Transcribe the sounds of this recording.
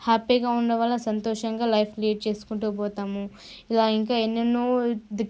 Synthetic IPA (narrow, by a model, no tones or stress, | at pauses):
haːpiːɡaːuɳɖɐʋaːlːɐsɐnt̪ɔːʂɐŋɡaːlɐjpʰklijeʈ̚t͡ʃe̞ːsu̥kuɳʈuːpɔːt̪aːmu | ilaːiŋkaːenːɐnːoːd̪i